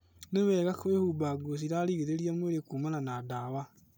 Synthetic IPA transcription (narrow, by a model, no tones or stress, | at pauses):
newɛɣakwehubaɡos̬iɾaɾiɣeɾeɾiamweɾekuːmananadawa